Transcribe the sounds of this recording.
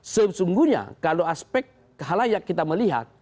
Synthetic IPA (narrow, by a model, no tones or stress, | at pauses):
səsuŋɡuɲa̰kaloaspɛk̪̚ | ɦalajakːit̪aməliɦa̰t̪̚